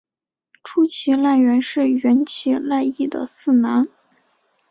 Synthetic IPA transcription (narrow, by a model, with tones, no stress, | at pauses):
ʈ͡ʂʰu˥t͡ɕʰi˧˥la˥˩ɪɥɛ˧˥nʂɻ̩˥˩ɥɛ˧˥nt͡ɕʰi˧˥la˥˧ɪi˥˩d̪ə̰˩sɹ̩˥˩na˧˥n